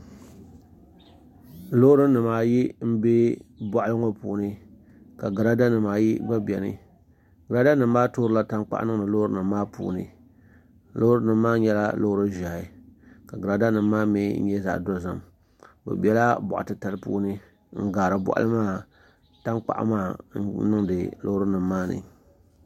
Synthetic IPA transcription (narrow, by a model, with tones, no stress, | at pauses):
lo˦hɾɨ˦nɨ˨maː˦˨ji˦m̩˦be˦bɔ˨ʔa˦lɨ˦ŋo˦pṵː˨nɨ˦ | ka˨ɡa˨ɾa˦da˦nɨ˨maː˨ji˦ba˦bi˨ɛ˨nɨ̰˦ | ɡa˨ɾa˨˦da˦nɨ˨mː˦aː˦toː˦ɾɨ˦la˦ta˦ŋk͡pa̰˦ʔa̰˦nɨ˦ŋ˨nɨ˨lo˦ɾɨ˦nɨ˨mː˦aː˦pṵː˨nɨ̰˨ | lo˦hɾɨ˦nɨ˨mːaː˦ɲɛ˦la̰˦lo˦hɾɨ˦ʒa˨ha˨ka˨ɡa˨ɾa˨da˦nɨ˨mː˦aː˦me˦n̩̰˦ɲɛ˦za̰˨ʔdo˦za̰˨m | ba̰˨bɛ˨la˦bɔ̰˨ʔa̰˨tɨ˦ta˨lɨ˦pṵː˦nɨ˦ | ŋ̩˦ɡaː˨ɾɨ˨bɔ̰˦˨ʔa̰˦lɨ˦maː˦˨ | ta˦nk͡pa̰˨ʔa̰˦maː˦˨˦nɨ˦ŋdɨ˨lo˦hɾɨ˦nɨ˨mː˦aː˦nɨ̰˨